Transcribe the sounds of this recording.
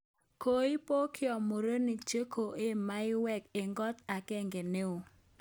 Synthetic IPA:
ko˦ɪ˦po˦kʰɪ˦ɔ˨mo˨ɾo˦ni˨kt͡ʃe˦ko˨ʔe˦ma˦ɪ˦wɛ˦˨ke˨ŋɡɔ˦t̪a˨kɛ˦ŋɡe˨ne˦o˨

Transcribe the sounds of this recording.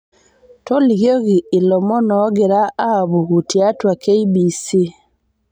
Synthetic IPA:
to˦liɣjoɣiː˨lo˨mo˦nɔɡeɾaːβu˨ɣu˨tja˦twa˨keibisi˦

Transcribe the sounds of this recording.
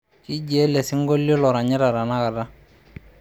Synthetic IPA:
ki˦d͡ʒe˨˦lɛ˨sɪ˦ŋ˦ɡo˦lːo˦lɔ˨ɾa˨ɲɛ˦ɾa˨ɾa˨na˦ka˨da˦

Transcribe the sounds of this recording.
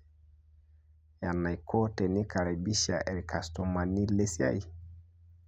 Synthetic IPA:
ja˨nːa˨jkʰo˦tɛ˨ni˦kʰa˨ɾa˨bi˦ʃa˨ʔɛ˨ɾi˨kʰa˨sto˨ma˨ni˦le˦si˦a̰˦i˨

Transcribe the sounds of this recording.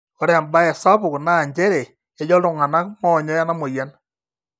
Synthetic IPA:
kɔ˨ɾɛ˨a˨mba˦ɛ˨sa˦pʊ˨kna˦˨ɲd͡ʒɛ˦ɾe˨ | e˨˦d͡ʒɔ˦lʊ˨ŋa˨na˦k̚mɔ˦˨ɲɔ˦ja˦na˦mɔ˨ja˨˦n

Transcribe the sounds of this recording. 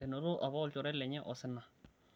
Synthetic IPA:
ɛ˨nɔ˨ɾʊ˦ʔa˨βa˦ɔ˦˨˦t͡ʃɔ˨ɾɛ˦lɛ˨ɲɛ˦ʔɔ˨sɪ˦na˨

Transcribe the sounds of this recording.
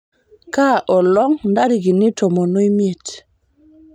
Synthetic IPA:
ka˦ʔɔ˨lɔ˦ŋnda˦ɾi˨ɡi˨ni˦tɔ˨mo˨no˦jmi˦e˨t

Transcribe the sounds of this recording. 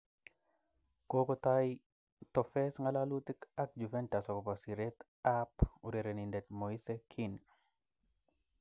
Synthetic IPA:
ko˦ko˦t̪ai | t̪ɔ˨fɛ˦sŋa˦la˦lu˦t̪i˦ka˦k̚d͡ʒu˨fɛ˦nta˨sɔ˨kɔ˨pasi˨ɾe˦t̪ | apu˨ɾe˨ɾe˨ni˨ndɛ˨t̪̚mo˨i˦se˦kʰi˦n

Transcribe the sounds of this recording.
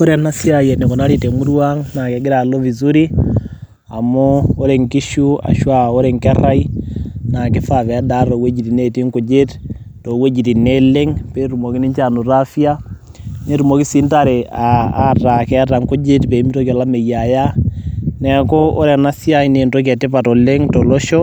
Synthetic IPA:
o˦ɾɛ˨na˦si˦a˨je˨ne˨ko˨na˦ɾi˨te˨ŋu˦ɾwa˦ŋna˨kɛ˨ɡɪ˦ɾa˨lo˦vi˨zu˦ɾi˦ | a˨mo˦o˦ɾe˨ŋki˦ʃu˦a̰˨ʃwa˦o˦ɾe˨ŋkɛ˦ra˦jna˨kɪ˦fa˨vɛ˨˦da˦ɾo˨we˦d͡ʒi˨ti˨ne˦ti˦ŋku˨d͡ʒe˦t | to˨we˦d͡ʒi˨ti˨ne˦le˦ŋpe˨˦ɾu˨mo˨ki˦ni˦ɲt͡ʃa˨nu˨ɾa˦fja˦ | ne˦ɾu˨mo˨˦ki˦si˦nta˨ɾe˨aː˨˦ta˨kɛ˨a˦ta˨ŋkʊ˦d͡ʒe˦tpe˨i˦mi˦to˦kɔ˨la˦me˨ja˨ja˦nɛ˨ko˦o˦ɾɛ˨na˦sja˦jne˨nto˦k̬ɛ˨tɪ˦pa˨tɔ˨le˦ŋtɔ˨lɔ˦ʃɔ˦

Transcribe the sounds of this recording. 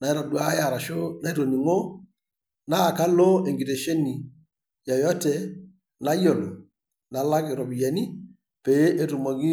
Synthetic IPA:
na˨˦i˦ɾa˨dwa˦ja˨ɾa˨ʃo˦na˦i˦ɾo˨ni˨ŋo˦ | na˦˨ka˦lo˦e˨ŋɡi˨ɾe˨ʃe˦ni˨ | ja˨jɔ˦tɛ˨ | na˦jo˨lo˨ | na˨la˦kɪ˨ɾɔ˨bi˨ja˨ni˦ | pe˨˦e˦ɾu˨mɔ˨ɡi˦

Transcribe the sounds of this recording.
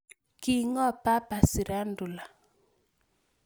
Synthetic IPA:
ki˦ŋɔ˦pa˦pa˨si˨ɾa˦ndu˨la˨

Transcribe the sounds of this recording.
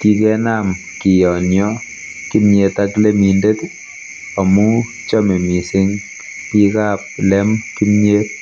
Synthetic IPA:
ki˦kɛ˦na˦m | ki˨jɔ˨ɲɔ˦ | ki˦mɲe˧t̪akle˦minde˦t̪ | a˨mu˦ | t͡ʃɔ˦me˨mi˨sɪ˦ŋ | pi˦ka˦p̚lɛ˦mki˦mɲe˦t̚

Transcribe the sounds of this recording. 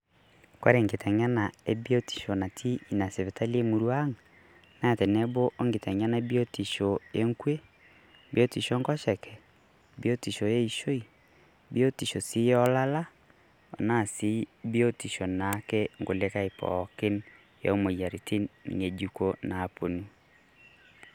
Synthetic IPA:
kwa̰˦ɾe˦˨ŋɡe˨tɛ˨ɲa˦na˨e˦bi˦o˦ti̥˨ʃo˨na˨tʰi˦i˨na˨se˨βe˨ta˦le˦mu˨˦ɾwa˦ŋ | na˦˨tɛ˨nɛ˦bo˦ʔo˦ŋɡe˨tɛ˨ɲa˦na˦e˦bjo˦ti˨ʃo˨je˦ŋkwe˦ | bjo˦ti˨ʃo˦ŋɡɔ˦ʃɛ˨kʰɛ˨ | bjo˦ti˨ʃo˨je˦i˨ʃo˦i˨ | bjo˦ti˨ʃo˨si˦jɔ˦la˦la˦ | o̰˨na˦˨si˦bjo˦ti˨ʃo˨na˨˦kɛ˦ŋɡo˨le˦ka˦e˨pɔ̰˨ke˦n | ja̰˨o˦mo˨ja˨ɾi˨tʰi˦ŋe˨d͡ʒu˦ko˦na˨po˨nu˦

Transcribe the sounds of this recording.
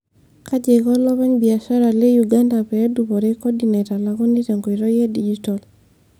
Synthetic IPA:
ka˦d͡ʒe˨kɔ˦lɔ˦βa˦ɲbi˨a˨ʃa˦ɾa˨le˦juɡa˦nda˨pɛ˨ɾɛ˦dupɔ˨ɾekɔ˦di˨ne˨ta˨la˨kɔ˦ni˦te˨ŋɡo˨i˨ɾɔ˦je˦di˦d͡ʒi˦tɔl

